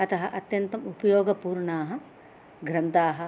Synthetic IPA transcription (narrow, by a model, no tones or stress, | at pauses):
ɐt̪ɐɦɐʔɐt̪jɐnt̪ɐmupɐjoːɡɐpuːɾɳaːɦɐ̆ | ɡɾɐnt̪aːɦɐ̆